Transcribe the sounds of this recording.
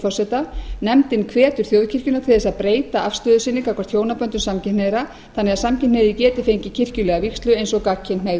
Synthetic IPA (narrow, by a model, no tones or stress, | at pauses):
fɔrsɛt̪anɛmt̪ɪnkʰvɛːt̪ʏɾ̥θjowðcʰɪr̥cʏnat̪ʰɪðɛsaðpɾeːjt̪aafst̪œːðʏsɪnːɪkakvaɾ̥t̪ʰjoːwnapœnt̪ʏmsamcʰɪ̥neðɾa | θanːɛɣasamcʰɪnneðɪcɛːt̪ɪfejɲcɪcʰɪr̥cʏlɛɣavikst̪lʏejnsɔkacʰːɪnmejð